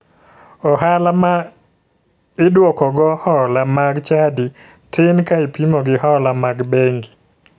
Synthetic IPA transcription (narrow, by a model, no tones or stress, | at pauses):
ɔɦalama | ɪdwɔkɔɡɔhɔlamaɡt͡ʃadi | tʰɪnkaɪpimoɡɪhɔlamaɡbeŋɡi